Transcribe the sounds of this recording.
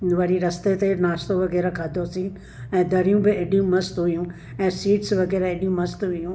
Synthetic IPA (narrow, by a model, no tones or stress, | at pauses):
ʋɐɽiɾɐst̪et̪enaːst̪õʋɐɣɛːɾakʰaːd̪ʱosĩ | ɛ̃ːd̪ʱɐɾijũbɪeɗijũmɐst̪ɦujũ | ɛ̃ːsiːʈsʋɐɣɛːɾaeɗijũmɐst̪ɦʊjũː